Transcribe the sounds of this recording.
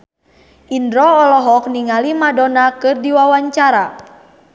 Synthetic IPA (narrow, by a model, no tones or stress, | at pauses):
ʔindɾɔːlɔɦɔk̚niŋalimadonakɨrdiwawaɲt͡ʃaɾa